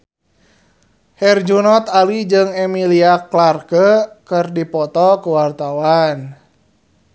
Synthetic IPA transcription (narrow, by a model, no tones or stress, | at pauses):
hɛrd͡ʒunɔt̪alid͡ʒɨŋɛmiliaklarkəkərdipɔt̪ɔkuwart̪awan